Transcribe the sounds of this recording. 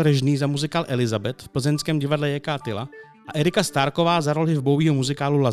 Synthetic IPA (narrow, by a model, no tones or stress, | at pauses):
ɾəʒniːzamuzɪkaːlʔɛlɪzabɛt̪fpl̩zɛnskɛːmɟɪvadlɛjɛkaːt̪ɪla | ʔaʔɛɾɪkast̪aɾkovaːzaɾolɦɪvbowiːɦomuzɪkaːlula